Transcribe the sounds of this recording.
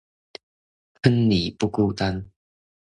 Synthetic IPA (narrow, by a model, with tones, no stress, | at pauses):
pʰə˦nli˨˩pu˧ku˥˧t̪a˦n